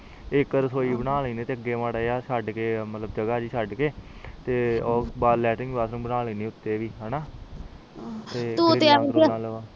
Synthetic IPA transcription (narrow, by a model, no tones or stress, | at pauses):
ɪkːəɾsoːiːbənaːleːneːt̪eːəɡːeːʋaːɽaːjaːsaɖkeːmət̪ləbd͡ʒəɡaːd͡ʒiːsaɖkeːt̪eːɔːbaːlɛːʈɪŋɡbaːsɾə̃bənaːleːneːʊt̪ːeːʋiːɦɛːnaː | t̪eːt̪uːeaaːlaː